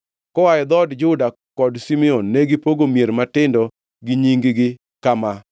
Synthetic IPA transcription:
kɔwajɛd̪ɔdd͡ʒʊda | kɔdsimɛonːɛɡɪpoɡomjeɾmatɪndɔ | ɡɪɲiŋɡɪɡɪ | kama

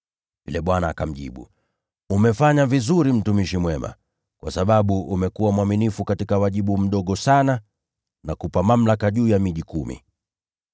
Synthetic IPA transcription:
vḭlɛɓwanaːkam̩ʄḭɓṵ | umɛfaɲavizuɾim̩tumiʃimwɛma̰ | kwasaɓaɓuʔumɛkuwamwaminifukatikawaʄiɓum̩ɗɔɠɔsana | nakupamam̩lakaʄuːjamiʄikumḭ

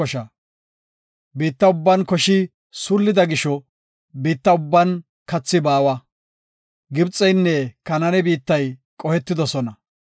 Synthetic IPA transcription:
ɔʃɐ | biːt̪ːɐʊbːɐnkɔʃɪ | sʊlːɪd̪ɐɡɪʃɔ | biːt̪ːɐʊbːɐn | kɐt͡sːɪbaːwɐ | ɡɪbt͡sʼːɛjnːɛkɐnɐnɛbiːt̪ːɐjkʼɔhɛt̪ːɪd̪ɔsɔnɐ

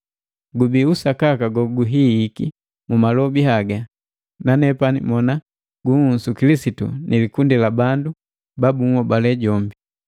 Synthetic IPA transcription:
ɡubiusakakaɡɔɡuɦiːki | mumalɔbiɦaɡa | nanɛpanḭmɔna | ɡuŋunsukilisitṵnʔilikundɛlabandu | babuŋɔbalɛɟɔmbi

